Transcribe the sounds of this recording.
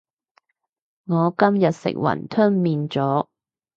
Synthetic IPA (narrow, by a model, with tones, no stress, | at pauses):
ŋɔː˨˧kɐ˥mjɐ˨t̚sɪ̰˨k̚wɐ̰˨˩nt̪ʰɵ˥nmiː˨nt͡sɔː˨˥